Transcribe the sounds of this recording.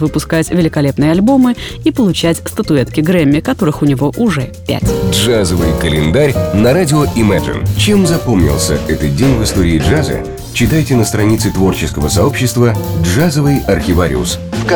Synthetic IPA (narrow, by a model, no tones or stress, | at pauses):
vɨpʊskatʲvʲɪlʲɪkɐlʲepnɨjəɐlʲbomɨ | ipəlˠʊt͡ɕætʲst̪ət̪ʊɛt̪kʲɪɡɾɛmʲːɪkɐt̪o̞ɾɨxʊnʲɪvo̞ʔʊʐɛpʲæ̰tʲdʐazəvɨjkəlʲɪnd̪aɾʲnɐɾadʲɪoʔɪmaʐɨ̰nt͡ɕemzɐpo̞mnʲɪ̰lˠsʲə̰ʔɛt̪ət̪̚dʲenʲvɨst̪o̞ɾʲɪːʐazɨ̰ | t͡ɕɪt̪ajtʲɪnəst̪ɾɐnʲit̪sɨt̪vo̞rt͡ɕɪskəvəsɐo̞pɕːɪst̪vədʐazəvɨjɐrxʲɪvɐɾʲṵsfk